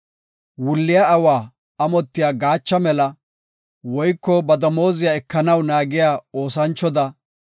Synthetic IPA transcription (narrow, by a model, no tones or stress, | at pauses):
wʊlːɪjaɐwaː | ɐmɔt̪ːɪjaːɡaːt͡ʃːɐmɛlɐ | wɔjkːɔbɐd̪ɐmo̞ːzɪjaɛkːɐnɐwnaːɡɪjaːo̞ːsɐnt͡ʃːɔd̪ɐ